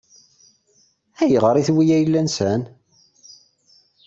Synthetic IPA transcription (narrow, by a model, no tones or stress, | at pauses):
æjəʁɾˤiθwijæjlːænsən